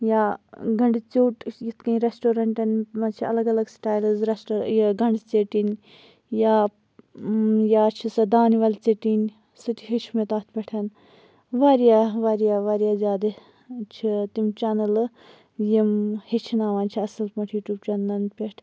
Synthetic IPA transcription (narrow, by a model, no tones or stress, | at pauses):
jaːɡɐɳɖit͡suːʈjit̪ʰkɐĩɾesʈoːɾɐɳʈɐnmɐt͡ʃʰiɐ̰lɐɡɐlɐɡsʈaːjlɐzɾesʈoɾjɡɐɳɖit͡seʈin | jaː | jaːt͡ʃʰisɐd̪aːniʋɐlt͡seʈin | sɨt̪ʰiɦit͡ʃʰmet̪aːt̪ʰpʲɐʈʰɐn | ʋaːɾijaːʋaːɾijaːʋaːɾjaːzʲaːd̪ɨ | t͡ʃʰit̪imt͡ʃanɐl | jimhet͡ʃʰinaːʋaːnt͡ʃʰiɐsɐlpɐʈʰjuːʈʲuːb̚t͡ʃɐnlɐnpʲeʈʰ